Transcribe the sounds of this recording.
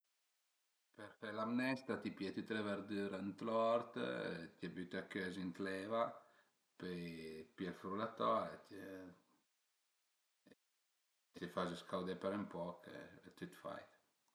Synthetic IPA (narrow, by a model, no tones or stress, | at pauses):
peɾfɛlamnɛst̪at̪ipjɛt̪it̪ɾɛvəɾd̪yɾənt̪lɔɾt̪t̪iabyt̪akːøzint̪lɛva | pepiɛlfɾulat̪ɔɾet̪ | t̪ifazəskawd̪ɛpɛɾəmpɔkḛt̪yt̪fa̰j